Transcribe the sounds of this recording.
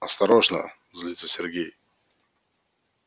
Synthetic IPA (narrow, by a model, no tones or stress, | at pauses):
ɐst̪ɐɾoʐnə̰ | zlʲit̪səsʲerɡʲej